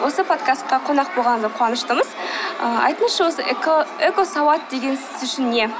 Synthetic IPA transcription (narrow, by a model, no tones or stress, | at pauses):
wo̞səpʰo̞d̪kast̪̚qɑqʰo̞nɑq̚bo̞lˠʁɑnd̪əqʰowɑnəʃt̪əɴəz̥əɑ̰jt̪ənəsʃɑwo̞səekosɑwɑt̪̚d̪e̞ɡʲe̞nsɪzʏʃɪnːe̞